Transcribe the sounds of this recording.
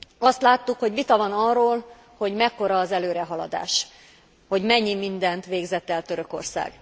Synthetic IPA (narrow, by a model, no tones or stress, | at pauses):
ɒst̪laːt̪ːukho̞ɟʋit̪ɒvɒnɒroːl | ho̞ɟmɛkːo̞ɾɒːzɛløːɾɛɦɒlɒ̰d̪a̰ːʃ | ho̞ɟmɛɲːimind̪ɛnt̪ʋeːɡzɛt̪ɛlt̪øɾøko̞̰rsa̰ːɡ